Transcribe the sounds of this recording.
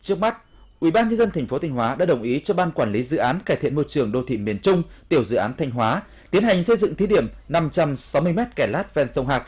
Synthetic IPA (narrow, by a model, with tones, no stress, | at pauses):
t͡ɕɨ˦˥ək̚ma˦˥t̚ | ʔwi˧˩ɓaː˧nɲə˧nzə˧nt̪a˨˩jŋ̟fo˨˦a˧jŋ̟ɦwaː˨˦ɗa̰ː˧˥ɗə˨˩wŋ͡mʔi˨˦t͡ɕɔ˧ɓaː˧nkwaː˧˩nli˨˦zɨ̰˧˨ʔaː˨˦nkaː˧˩jt̪ʰḭ˧˨ənmo˧jt͡ɕɨ˨˩əŋɗo˧t̪ʰḭ˧˨mi˧˩ənt͡ɕʊ˧ŋ͡mt̪i˧˩əwzɨ̰˧˨ʔaː˨˦nt̪ʰa˧jŋ̟ɦwaː˨˦ | t̪i˨˦ənha˨˩jŋ̟sə˧jzɨ̰˧˨ŋt̪ʰi˨˦ɗi˧˩əmna˧mt͡ɕa˧msa˨˦wmɨ˧əjmɛ˦˥t̚kɛ˧˩laː˦˥t̚vɛ˧nsə˧wŋ͡mɦaː˨˩k̚